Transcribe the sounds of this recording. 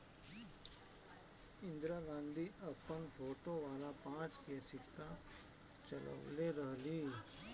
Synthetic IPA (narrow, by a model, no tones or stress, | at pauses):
ɪ̃nd̪ɾaːɡãːnd̪ʱiʔɐpːənpʰoːʈoʋaːlapãːt͡ʃkeːsɪkːa | t͡ʃɐlə̰ʋleɾəɦliː